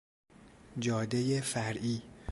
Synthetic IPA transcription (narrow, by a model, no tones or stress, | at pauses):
d͡ʒɒːd̪ejefæɾʔiː